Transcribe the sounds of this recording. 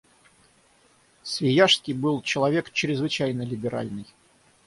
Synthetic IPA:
svʲɪjaʂskʲɪjbɨlˠt͡ɕɪlˠɐvʲe̞kt͡ɕɾʲɪzvɨt͡ɕæjnəlʲɪbʲɪɾa̰lʲnɨj

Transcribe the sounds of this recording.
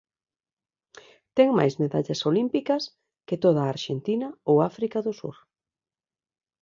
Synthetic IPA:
t̪ɛŋma̰jzmeða̰ʎɐsolimpikɐs | kɪt̪oðaːɾʃent̪inɐowafɾikaðʊsṵɾ

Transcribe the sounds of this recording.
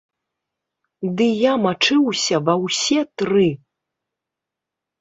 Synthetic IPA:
d̪ɨjamat͡ʂɨwsʲɐvɐwsʲɛt̪ɾɨ

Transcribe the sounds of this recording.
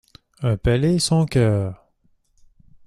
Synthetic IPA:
ɛ̃pɛlesɔ̃kœːʁ

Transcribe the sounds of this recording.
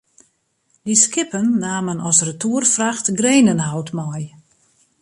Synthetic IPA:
diskɪpənːaːmənɔsrətʰuərfraxtɡreːnənɦawtmaj

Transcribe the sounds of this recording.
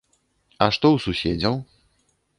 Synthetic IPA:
aʂt̪ɔwsuɕɛd͡zʲaw

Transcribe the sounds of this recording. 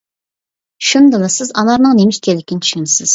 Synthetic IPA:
ʃund̪ɨlˠɨsɪzɑnɑɾnɨŋnemɪʃt̪ʲʰelɪkʲʰɪnɪt͡ʃʰy̥ʃynsɪz̥

